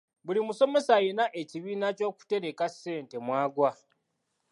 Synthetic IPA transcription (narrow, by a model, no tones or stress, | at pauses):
βulimuso̞me̞sajenaʔe̞ciβiːnaco̞ːku̥te̞ɾe̞kase̞ːnte̞mwaːɡwa